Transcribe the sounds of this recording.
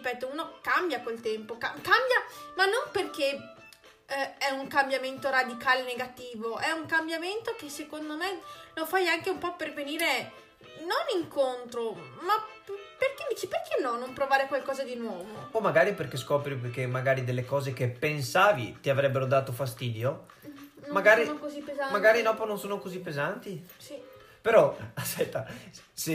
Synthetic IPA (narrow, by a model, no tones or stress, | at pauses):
ipɛːt̪ouːnokambjakwelt̪ɛmpokakambjamanːomperk̟e | ɛuŋkambjament̪oɾad̪ikaːleneɡat̪iːvoʔɛuŋkambjament̪okesːekond̪omelofajaŋkeumpɔperveniːɾe | noniŋkont̪ɾoma | perk̟ed̪iːt͡ʃiperk̟ʰenːɔnompɾovaːɾekwalkɔːzad̪inwɔːvoomaɡaːɾiperkeskɔːpɾipkemːaɡaːɾid̪elːekɔːzekepːensaːvḭt̪iavɾɛbːeɾod̪aːt̪ofast̪iːd̪jo | nmaɡaːɾinokozipːezanmaɡaːɾinɔːpononsoːnokozipːezant̪isi | peɾɔaspɛt̪ːase